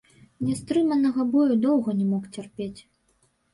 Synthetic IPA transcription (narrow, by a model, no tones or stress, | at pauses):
nʲɛst̪ɾɨmɐnɐɣɐbɔjud̪ɔwɣɐnʲɛmɔkt͡sʲɛrpʲet͡sʲ